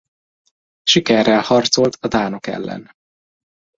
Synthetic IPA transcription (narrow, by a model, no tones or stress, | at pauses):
ʃikɛrːɛlhɒrt̪so̞lt̪ɒd̪aːnokɛ̰lːɛ̰n